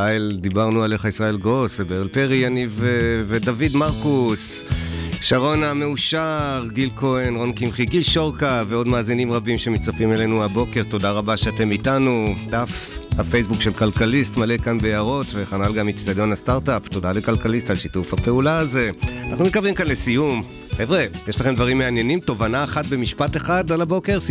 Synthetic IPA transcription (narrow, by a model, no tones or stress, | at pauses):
aeldibaʁnualeχaisʁae̞lɡo̞svebelpeʁianivevedavidmaʁkus | ʃaʁo̞nameuʃaʁɡilko̞enʁo̞nkimχiɡilʃo̞ʁkaveo̞dmaːzinimʁabimʃe̞mit͡safimelenuabo̞ke̞ʁto̞daʁabaʃeate̞mitanudafhafejsbukʃelkalkalistmalekanbeaʁo̞tveχanalɡamit͡sdado̞nastaʁtapto̞dalekalkalistalʃitufhape̞ulaːze̞ana̰χnumekabimkanlesijum | χevʁejeʃlaχemd̪vaʁimːeanje̞nimto̞vanaːχatbe̞miʃpateχadalabo̞ke̞ʁs